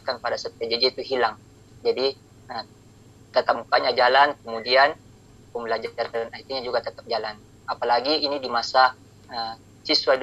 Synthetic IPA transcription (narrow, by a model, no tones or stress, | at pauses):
kanpadasat̪̚ad͡ʒəd͡ʒit̪uɦilaŋ | d͡ʒadi | ə | t̪ət̪ap̚mukaɲad͡ʒalankəmudian | kəŋmbəlad͡ʒaranait̪iɲad͡ʒuɡat̪ət̪ap̚d͡ʒalan | apalaɡiːnidimasa | ə | sisuad